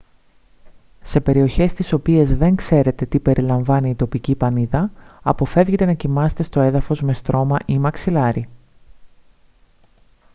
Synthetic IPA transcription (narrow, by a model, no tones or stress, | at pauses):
se̞pe̞ɾio̞çe̞st̪iso̞pie̞zðe̞ŋkse̞ɾe̞t̪e̞t̪ipe̞ɾʔilɐɱvɐniːt̪o̞picipɐniðɐɐpo̞fe̞vʝet̪e̞nɐcimɐse̥t̪e̞st̪o̞e̞ðɐfo̞zme̞st̪ɾo̞mɐʔimɐksilɐɾi